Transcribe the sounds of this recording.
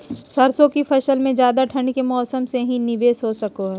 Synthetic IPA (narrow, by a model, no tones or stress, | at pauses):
sɐɾsõkipʰɐʃəlmẽd͡ʒjaːd̪aʈʰɐ̃ɳɖkemɔːsəmseɦĩnɪʋeːsɦosɐkoɦɛː